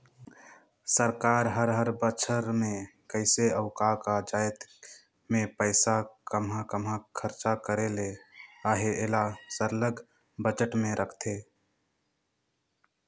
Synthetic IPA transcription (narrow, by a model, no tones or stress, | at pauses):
səɾkaːɾɦəɾɦəɾbət͡ʃʰəɾmẽkəɪseəʊkakad͡ʒaːjt̪ | mẽpəɪsakəmɦãkəmɦãkʰəɾt͡ʃakəɾeleaːɦeeːlasəɾləɡ | bəd͡ʒəʈmẽɾʔəkʰt̪ʰe